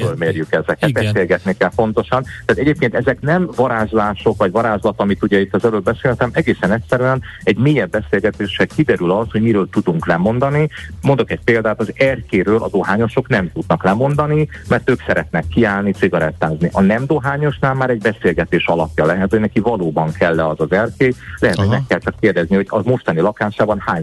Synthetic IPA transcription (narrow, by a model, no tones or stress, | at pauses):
følmeːrjykɛzɛkɛt̪bɛseːlɡɛt̪nikɛlpo̞nt̪o̞ʃɒnt̪aːt̪ɛɟeːp̚keːnt̪ɛzɛknɛmvɒɾaːʒlaːʃo̞kʋɒɟvɒɾaːzlɒt̪ɒmit̪uɟɛit̪ːɒzɛløːlbɛseːlɛt̪ɛmɛɡeːsɛnɛcsɛɾyɛnɛɟmeːjɛbːɛseːlɡɛt̪eːʃɛkid̪ɛɾylɒsho̞ɟmiɾøːlt̪ud̪uŋklɛmo̞nd̪ɒnimo̞nd̪o̞kɛc̚peːld̪aːt̪ɒzɛrkeːɾøːlʔɒ̰d̪oɦaːɲo̞ʃo̞knɛmt̪ud̪nɒklɛmo̞nd̪ɒnimɛrt̪øːksɛɾɛt̪nɛkːiaːlnit̪siɡɒɾɛt̪ːaːzniʔɒnɛmd̪o̞ɦaːɲo̞ʃnaːlmaːɾɛɟbɛseːlɡɛt̪eːʃɒlɒpjɒlɛɦɛt̪hoɟnɛkivɒloːbɒŋkʰɛlːɛɒzɒzɛrkeːlɛɦɛt̪hoɟmɛkːɛlt͡ʃɛkːeːrd̪ɛzniɦo̞ɟɒmo̞ʃt̪ɒnilɒkaːʃaːbɒnhaːɲ